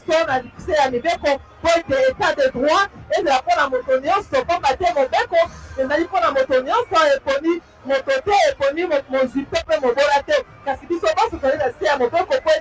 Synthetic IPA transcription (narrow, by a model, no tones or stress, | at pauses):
sonaiusejamibekopoeteetadedʁwaezelaponamotonɔ̃sɔpambatɛmobekoezaliponamotonɔ̃nsɔeponi | mototɛeponimozwipepemobolatɛ | kasibisobɔsozalinasejamobekopo